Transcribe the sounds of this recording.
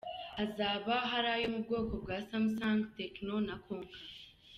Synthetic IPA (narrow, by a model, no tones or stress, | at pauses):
azaːβaɦaɾaːjo̞mub̚ɡo̞ːko̞b̚ɡwaːsamusaːŋɡtekno̞nako̞ːŋka